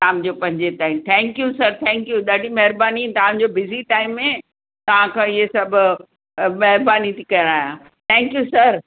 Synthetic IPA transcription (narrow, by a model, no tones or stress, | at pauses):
aːmd͡ʑopɐ̃ɦɪ̃ɲd͡ʑetaːɪmt̪ʰɛ̃ːŋkjusɐɾt̪ʰɛ̃ːŋkjuɗaːɖʱimɐɦɾbaːnit̪ɐʋ̤ãɲd͡ʑobɪziʈaːɪmːẽ | t̪ɐʋ̤ãkʰãːɪɦesɐbʱʊ | mɐɦɪɾbaːnit̪ʰikɐəɽ̃aːjãː | t̪ʰɛ̃ːŋkjusɐɾ